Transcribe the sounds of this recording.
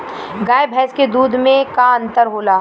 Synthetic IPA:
ɡaːjbʱɛːsked̪uːd̪ʱmẽkaə̃nt̪əɾɦoːlaː

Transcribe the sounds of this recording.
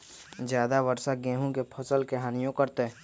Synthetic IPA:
zjaːd̪aʋəɾsaɡɛ̃ːɦõkepʰɐsəlkeɦaːnijõkəɾt̪e

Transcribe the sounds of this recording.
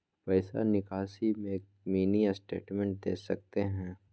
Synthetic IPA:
pɛɪsa̰nɪkaːsimẽːk̚ | miːnijasʈḛːʈmɛ̃ɳʈ̚d̪eːsɐk̚t̪eɦɛ̃ː

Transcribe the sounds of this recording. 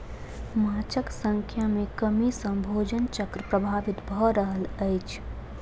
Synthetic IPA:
maːt͡ʃəksə̃ŋkʰjamẽkəmisə̃mbʱoːd͡ʒənt͡ʃəkɾəpɾəbʱaːʋɪt̪bʱɔɾəɦələɪt͡ʃʰ

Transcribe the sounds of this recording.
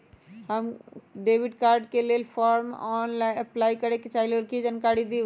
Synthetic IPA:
ɦəmɖeːʋɪɖkaːɾɖkeleːlfʰɔːɾm̰ʔɔːnlaːɪnɐplaːikɐɾeket͡ʃaːɦilelkid͡ʒənkaːɽid̪iː

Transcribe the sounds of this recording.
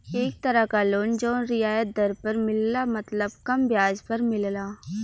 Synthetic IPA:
eːk̚t̪ɐɾəkaloːnd͡ʒɔːnɾɪaːjət̪̚d̪ɐɾpɐɾmɪllamɐt̪ləbkɐmbʱjaːd͡ʒpɐɾmɪllaː

